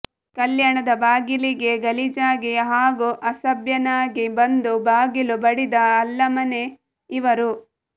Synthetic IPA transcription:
kɐljɐɳɐd̪ɐbaːɡiliɡe̞ɡɐlid͡ʒaːɡiɦaːɡuʔɐsɐbjɐnaːɡibɐnd̪ubaːɡilubɐɽid̪ɐːlːɐmɐne | iʋɐɾu

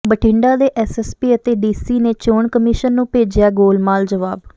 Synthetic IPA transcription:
bəʈʰɪ̃ɳɖaːd̪eːʔɛːsɛːspiːət̪eːɖiːsiːneːt͡ʃoːɳkəmɪːʃənːũːpeːd͡ʒjaːɡoːlmaːld͡ʒəʋaːb

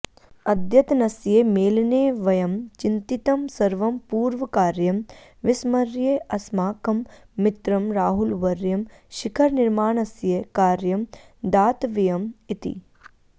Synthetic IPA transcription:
ɐd̪ʱjɐt̪nɐsjemeːlneːʋɐjɐmt͡ʃɪnt̪it̪ɐmsɐɾʋɐmpuːɾʋɐkaːɾjɐm | ʋɪsmɐɾjeʔɐsmaːkɐmːɪt̪ɾɐmɾaːɦulʋɐɾjɐmʃɪkʰɐɾnɪɾmaːɳɐsjekaːɾjɐm | d̪aːt̪ʋijɐmit̪ḭ

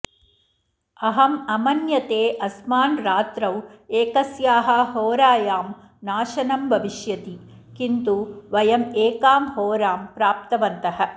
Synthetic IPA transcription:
ɐɦɐmɐmɐnjɐt̪eːʔɐsmaːnɾaːt̪ɾɐweːkɐsjaːɦɐ̆ɦoːɾaːjaːm | naːʃɐnɐmbʱɐʋiʃjɐt̪i | kint̪uʋɐjɐmeːkaːmhoːɾaːmpɾaːp̚t̪ɐʋɐnt̪ɐɦɐ̆

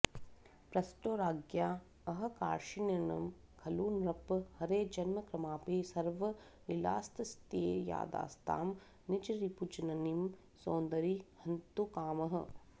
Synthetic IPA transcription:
pɾɐsʈoːɾaːɡjaː | ɐɦɐ̆ka̰ːɾʃinɐnɐ̰m | kʰɐluːnɾɐphɐɾeːd͡ʒɐnmɐkɾɐmaːpisɐɾʋɐ | nila̰ːst̪ɐst̪ḛːja̰ːd̪a̰ːst̪ʰa̰ːm | nit͡ʃɾiput͡ʃɐnɐnim | soːnd̪ɐɾihɐnt̪ukaːmɐɦɐ̆

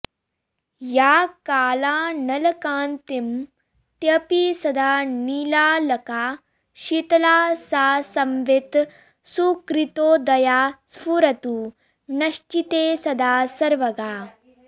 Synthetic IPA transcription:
jaːkaːlaːnɐlɐkaːnt̪im | t̪jɐpisɐd̪ʱaːniːlaːlɐkaː | ʃit̪ɐlaːsaːsɐmʋet̪ | sukɾit̪oːd̪ɐjaːspuɾɐt̪uː | nɐʃt͡ʃit̪eːsɐd̪aːsɐɾʋɐɡaː

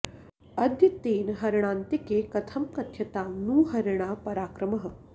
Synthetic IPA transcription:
ɐd̪jit̪ːeːnɦɐɾɳ̃aːnt̪ikeːkɐt̪ʰɐmkɐt̪ʰjɐt̪aːnuːɦɐɾɳ̃aːpɐɾaːkɾɐmɐɦə̆

